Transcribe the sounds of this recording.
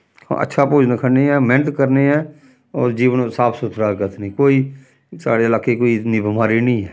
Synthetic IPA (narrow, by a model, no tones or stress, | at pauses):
hã̰ʔə̰tːʃʰaːpoːd͡ʒnəkʰəneːɛːmɪnət̪kəɾneːɛː | ɔːɾd͡ʒiːʋənsaːpʰsʊt̪ʰɾaːɡət̪ʰnĩːkoːiː | sa̰ːɽeːəlaːkeːkoːinibɪmaːɾiːnĩːɦɛː